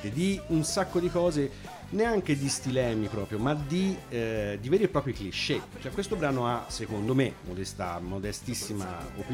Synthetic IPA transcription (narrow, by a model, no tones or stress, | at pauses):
t̪ed̪iunsakːod̪ikɔːze | neaŋk̟ed̪ist̪ilɛːmipɾɔːpɾjomad̪i | d̪iveːɾipɾɔːpɾjikliʃːet͡ʃoɛkwest̪obɾaːnoasekond̪omemod̪ɛst̪a̰mod̪ɛst̪isːima̰o̰pi